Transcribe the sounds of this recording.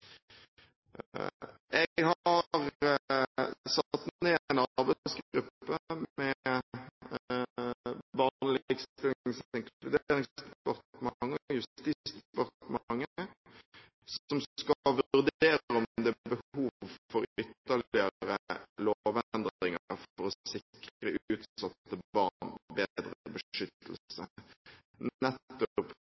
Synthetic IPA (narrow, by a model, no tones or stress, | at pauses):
ʔɛɡɦɑɑɾ | sɑt̪ːnneːænɑʁbæɪsɡɡɾʉpːəmɛ | bɑnlɪɡsɪlŋsɪŋklʉd̪eɾɪŋpɔʁt̪mɑŋːɔjʉst̪iːst̪pɔʁt̪mɑŋːə | sɔmskɑʋʉʉʁd̪eːɾɾɔmd̪ɛæbəhuːʋʋfɔɾʏt̪ːɑlɪəɾəloʋɛnd̪ɾd̪ʁɪŋəɾfɔɾɔsɪkɾəʉːt̪sɑt̪ːəbɑnbed̪ɾəbəʂʏt̪ʰːəl̩sə | nɛt̪ːʊʊp